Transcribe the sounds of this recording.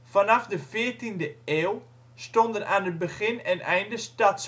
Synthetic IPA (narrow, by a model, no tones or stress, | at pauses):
fanafdəfɪːrtindəeːlˠ | stondənʔaːnət̚bəχɪnɛnɛjndəstats